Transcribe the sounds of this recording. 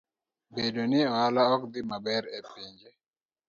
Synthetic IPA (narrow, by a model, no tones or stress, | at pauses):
bedonɪɔalaɔkd̪ɪmabɛɾɛpiɲd͡ʒe